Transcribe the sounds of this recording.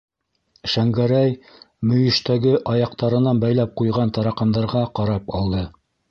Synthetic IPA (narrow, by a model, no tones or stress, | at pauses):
ʃæŋɡæɾæj | mɵ̆jɵ̆ʃt̪æɡɘʔɑjɑq̚t̪ɑɾɤ̆nɑnbæjlæp̚qujʁɑnt̪ɑɾɑqɑnd̪ɑɾʁɑqɑɾɑpɑlˠd̪ɤ